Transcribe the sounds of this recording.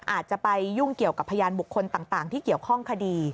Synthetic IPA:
ʔaː˨˩t̪̚t͡ɕa˨˩pa˧jːu˥˩ŋki˨˩əwka˨˩pʰːa˧jaː˧nbu˨˩kʰːo˧nt̪aː˨˩ŋt̪aː˨˩ŋt̪ʰiː˥˩ki˨˩əwkʰɔ˥˩ŋkʰa˧diː˧

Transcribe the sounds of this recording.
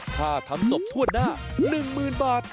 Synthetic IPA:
k̪ʰaː˧˥˩t̪ʰa˧mso˨˩p̚t̪ʰu˥˩ət̪̚naː˥˩nɯ˨˩ŋmɯː˨˩nbaː˨˩t̪̚

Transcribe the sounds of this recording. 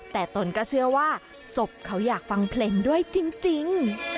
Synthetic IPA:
t̪ɛː˨˩t̪o˧nkɔː˥˩sɯ˥˩ɐwaː˥˩ | so˨˩p̚kʰa˦˥wjaː˨˩k̚fa˧ŋpʰleː˧ndu˥˩əjt͡ɕi˧ŋt͡ɕi˧ŋ

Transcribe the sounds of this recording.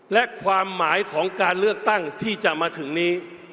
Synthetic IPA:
lɛ˦˥kʰwaː˧mːaː˩˦jkʰɔː˩˦ŋkaː˧nlɯ˥˩ək̚t̪a˥˩ŋt̪ʰiː˥˩t͡ɕa˨˩ʔmaː˧t̪ʰɯ˩˦ŋniː˦˥

